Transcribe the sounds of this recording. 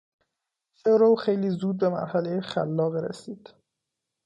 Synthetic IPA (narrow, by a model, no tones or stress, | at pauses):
ʃeɾowxejliːzuːd̪̚be̞mæ̰ɾhælejexæ̰lːɒːɣɾḛsiːd̪̥